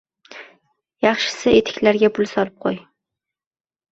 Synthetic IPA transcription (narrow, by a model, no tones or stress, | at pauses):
jɑχʃɪ̥sɪet̪ʰɪ̥kʲlaɾɡʲapʰʊlˠsɒlˠɪp̚qʰoj